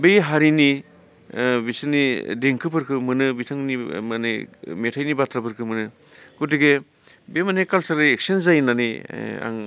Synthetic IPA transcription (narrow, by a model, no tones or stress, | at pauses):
bejɦaɾini | bisɯnideŋkʰɯpʰɯɾkʰɯmɯnɯbitʰɯŋnimanijmetʰajnibatʰɾapɯɾkʰɯmɯnɯ | kuteɡe | bemanekalsaliek̚senzajnania̰ŋ